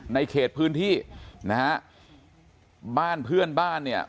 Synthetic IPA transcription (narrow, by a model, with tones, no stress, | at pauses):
na˧jkʰeː˨˩t̪̚pʰɯː˦˥nt̪ʰiː˥˩na˦˥ha˦˥ʔ | baː˥˩npʰɯ˥˩ənbaː˥˩nːi˥˩ɐ